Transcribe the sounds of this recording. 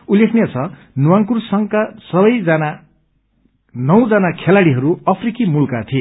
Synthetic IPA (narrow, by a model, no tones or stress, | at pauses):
ulːekʰnijat͡sʰʌ | nuwaŋkursʌŋkasʌbʌjd͡zana | nʌwd͡zanakʰelaɽiɦʌɾuʌpʰrikimulkat̪ʰie